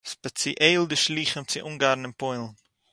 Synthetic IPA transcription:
spɛt͡siʔeɪlˠdɪʃlˠiːχəmt͡sɪʔuːŋɡaɾn̩ɪnpɔɪlˠn̩

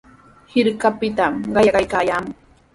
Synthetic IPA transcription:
hɪɾkapɪt̪amɢɑjɑɢɑjkaːjaːmʊ

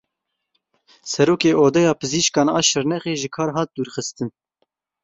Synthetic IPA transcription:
sɛɾoːkeːʔoːd̪ɛjɑːpʰɨziːʃkɑːnɑːʃɨɾnɛχeːʒɨkʰɑːɾɦɑːt̪̚d̪uːɾxɨst̪ɨn

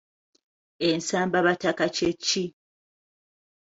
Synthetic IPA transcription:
ensaːmbaβatakat͡ʃet͡ʃːi

